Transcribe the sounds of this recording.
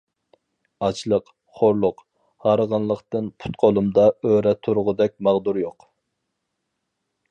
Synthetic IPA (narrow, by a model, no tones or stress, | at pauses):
ɑt͡ʃlˠəq | χoɾlˠʊq | hɑɾəʁɑnlˠəqt̪ɨnpʰu̥t̪qʰolˠumd̪ɑøɾɛt̪ʰuɾʊʁʊd̪ɛk̚ʲmɑʁd̪uɾjoq